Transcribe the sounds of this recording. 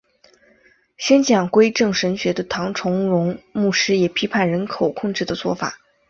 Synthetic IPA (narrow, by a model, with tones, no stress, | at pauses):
ɕjɛ˥nt͡ɕʰjɑ˨˩ŋkwe˥ɪʈ͡ʂɤ˥˩ŋʂə˧˥nɕɥɛ˧˥d̪ə˧t̪ʰɑ˧˥ŋʈ͡ʂʰʊ˧˥ŋɻʊ˧˥ŋmu˥˩ʂɻ̩˥jɛ˨˩pʰi˧˥pʰa˥˩nɻə˧˥nkʰo˨˩ʊkʰʊ˥˧ŋʈ͡ʂɻ̩˥˩d̪ə˩t͡swɔ˥˩fa̰˨˩˦